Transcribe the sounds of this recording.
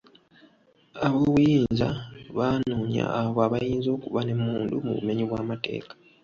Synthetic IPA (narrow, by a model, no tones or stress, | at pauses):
aβoβujiːnza̰βaːnuːɲa̰ːβoaβajiːnzo̞ːkuβane̞muːndumṵβṵme̞ɲiβwaːmate̞̰ːkḁ